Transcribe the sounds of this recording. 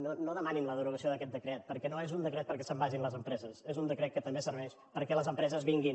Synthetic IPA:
nonoðəmaninləðəɾuɣəsioðəkɛt̪̚d̪əkɾɛt̪̚pəɾkɛnoezund̪əkɾɛt̪̚pəɾkɛsəmbaʒinləzəmpɾɛzəsezund̪əkɾɛt̪̚kət̪əmbesəɾβɛʃ | pəɾkɛləzəmpɾɛzəzβiŋɡin

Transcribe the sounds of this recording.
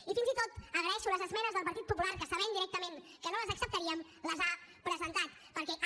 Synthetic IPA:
ifinzit̪ot̪əɣɾəɛʃuləzəzmɛnəzðəlˠpɐɾt̪it̪̚pupulaɾkəsəβɛmd̪iɾɛk̚t̪əmen | kənoləzəksəp̚t̪əɾiəm | ləzapɾəzənt̪at̪ | pəɾkɛʔ

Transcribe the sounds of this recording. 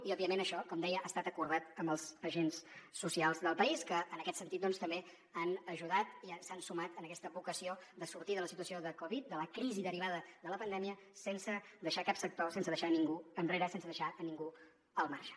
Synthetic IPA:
iɔbiəmenəʃɔkɔmd̪ɛjəʔaːst̪at̪əkuɾðat̪əmbəlˠzəʒensːusialˠzðəlˠpəiskəːnəkɛt̪sənit̪̚d̪ɔnst̪əmbe | anəʒuðat̪isansumat̪ənəkɛst̪əβukəsiod̪əsuɾt̪iðələsit̪uəsioðəkɔβit̪̚d̪ələkɾiziðəɾiβaðəðələpənd̪ɛmiə | sensəd̪əʃakapsək̚t̪osens̬əðəʃaniŋɡuənreɾəsensəðəʃaniŋɡu | əlˠmarʃə̥

